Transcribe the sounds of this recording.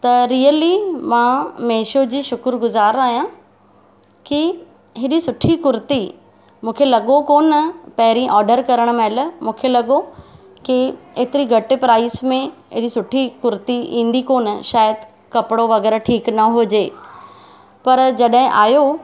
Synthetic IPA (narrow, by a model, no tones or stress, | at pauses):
t̪ɐɾiːəlimãːmeːʃod͡ʑiːʃʊkɾɡʊzaːɾaːɦijã | ki | ɦɪɗisʊʈʰikʊɾt̪i | mũːkʰelɐɠokoːnpɐɦɪɾĩʔɔːɾɖəɾkɐɾəɽ̃meləmũːkʰelɐɠo | kieːt̪ɪɾiɡʱɐʈɪpɾaːɪsmẽɪɗisʊʈʰikʊɾt̪iḭ̃ːn̆d̪ikoːnʃaːjəd̪ | kɐpɪɽoʋɐɣɛːɾʈʰiːknɐɦʊd͡ʑeː | pɐɾd͡ʑɐɗɦɪ̃ʔaːjo